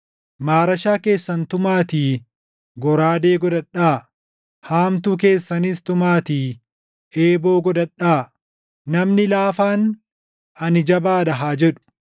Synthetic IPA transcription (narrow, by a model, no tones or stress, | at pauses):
maːɾɐʃaːke̞ːsːɐnt̪ʊmaːt̪iː | ɡɔɾaːd̪e̞ːɡɔd̪ɐᶑaː | haːmt̪uːk̬e̞ːsːɐniːst̪ʊmaːt̪iː | e̞ːbo̞ːɡɔd̪ɐᶑaː | nɐmnɪlaːfaːn | ɐnɪd͡ʒɐbaːd̪ɐɦaːd͡ʒɛᶑʊ̥